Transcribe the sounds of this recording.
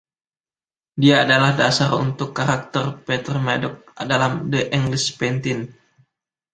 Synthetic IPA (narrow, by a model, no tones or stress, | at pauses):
diaːdalahdasarṵnt̪ʊkːaɾak̚t̪ərpet̪ərmadɔk̚adalamdəʔiŋɡlɪspɛnt̪ɪn